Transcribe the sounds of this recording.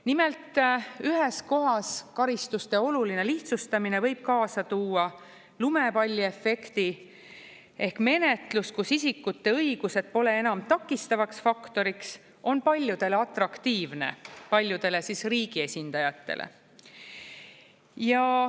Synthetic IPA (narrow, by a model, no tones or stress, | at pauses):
nimelt̪ˑyɦe̞sko̞ɦɑskɑɾist̪ust̪e̞o̞luline̞liht̪sust̪ɑminevɤjb̥̚kɑːsɑt̪uːɑ | lume̞pɑlʲːie̞fːe̞kt̪i | e̞hkme̞ne̞t̪luskusisikːut̪ːe̞ɤiɡ̥use̞d̪̥̚po̞le̞e̞nɑmt̪ɑkːist̪ɑvɑksfɑkt̪o̞ɾiks | o̞npɑlʲjud̪̥e̞leɑt̪rɑkt̪iːvne̞̰pɑlʲjud̪̥e̞le̞sisriːɡ̥ie̞sʲind̪̥ɑjɑt̪ːe̞̰lʔḛ | jɑ